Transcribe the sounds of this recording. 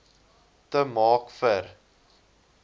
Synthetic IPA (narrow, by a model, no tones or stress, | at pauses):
təmɑːkfər